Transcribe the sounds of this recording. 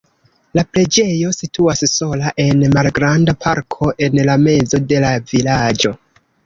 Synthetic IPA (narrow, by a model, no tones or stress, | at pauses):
laple̞d͡ʒe̞jo̞sitʰuasso̞laʔe̞nmalɡɾandapʰaɾkʰo̞ʔe̞nlame̞d͡zo̞de̞lavilad͡ʒo̞